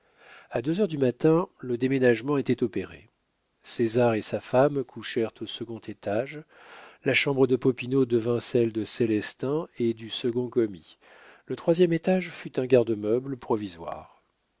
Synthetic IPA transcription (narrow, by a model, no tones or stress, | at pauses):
ad̪øzœʁd̪ymat̪ɛ̃ləd̪emenaʒmɑ̃et̪ɛt̪ɔpeʁḛ | sezaʁesafamkʰuʃɛʁt̪osəɡɔ̃t̪ʰet̪aʒ | laʃɑ̃bʁəd̪əpɔpinod̪əvɛ̃sɛld̪əselɛst̪ɛ̃ed̪ysəɡɔ̃kɔmi | lət̪χwazjɛmet̪aʒfyt̪ɛ̃ɡʲaʁd̪əmœblpχɔvizwa̰ʁ